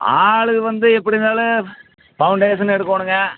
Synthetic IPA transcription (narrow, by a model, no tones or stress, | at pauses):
aːɭɯɣɯʋɐnd̪ɯɛpːɐɽɪnaːlɯ | pɐʊɳɖeːʂɐnɛɽɯkːoːɳɯŋɡɐ